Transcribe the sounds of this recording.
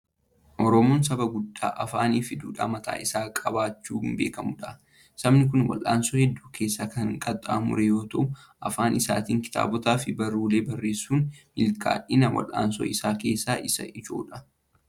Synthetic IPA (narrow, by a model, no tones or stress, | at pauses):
ʔɔɾɔmoːnsɐbɐɡʊd̪ːa̰ːʔɐfaːniːfɪd̪uːᶑa̰ːmɐt̪ʰa̰ːʔɪsaːkʼɐbaːt͡ʃːuːɪmbe̞ːkɐmʊᶑɐ | sɐbnɪk̬ʊnwɐ̰lʔaːnsɔhɛd̪ːuːkʰe̞ːsːaːkɐŋkʼɐt̪ʼːaːmʊ̰ɾɛjo̞ːt̪ɐʔʊ | ɐfaːnɪsaːt̪iːŋkɪ̥t̪ʰʼa̰ːbɔt̪aːfɪbɐɾuːle̞ːbɐrːe̞ːsːuːnmɪlkʰa̰ːᶑɪnɐwʔɐ̰lʔa̰ːnsɔ̰ɪsaːke̞ːsːaːʔɪsɐ̰ʔɪd͡ʒo̞̰ːᶑɐ̥